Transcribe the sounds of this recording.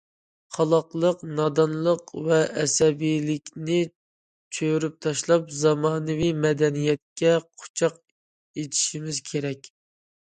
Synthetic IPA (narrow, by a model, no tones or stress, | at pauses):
qʰɑlˠɑqlˠəqnɑd̪ɑnlˠəqvɛːsɛbijlɪkʲnɪ | t͡ʃʰøɾyp̚t̪ʰɑʃlˠɑpzɑmɑːnɨvimɛd̪ɛnijɛt̪̚kʲɛqʰʊ̥t͡ʃʰɑq | et̪ʰi̥ʃimɪzkʲʰeɾɛkʲ